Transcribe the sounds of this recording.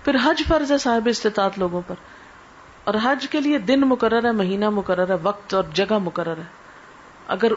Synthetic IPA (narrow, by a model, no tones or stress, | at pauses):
pʰɪɾɦɐd͡ʒfɐɾzɦɛsaːɦɪbɪst̪eːt̪aːt̪loːɡõpɐɾ | ɔːɾɦɐd͡ʒkelied̪ɪnmʊkəɾːəɾɦɛːmɐɦiːnamʊkəɾːəɾɦɛːʋɐk̚t̪ɔːɾd͡ʒɐɡamʊkəɾːəɾɦɛː | ɐ̰ɡəɾ